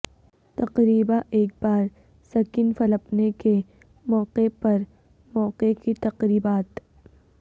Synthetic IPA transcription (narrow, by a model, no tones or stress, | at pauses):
t̪ɐqɾiːbaʔeːk̚baːɾ | sɐkinfɐləpneke | mɔːqepɐɾ | mɔːqekit̪ɐqɾiːbaːt̪